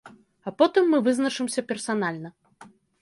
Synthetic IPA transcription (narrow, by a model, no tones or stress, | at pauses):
ɐpɔt̪ɨmːɨvɨznɐʂɨmsʲɐpʲɛrsan̪alʲnɐ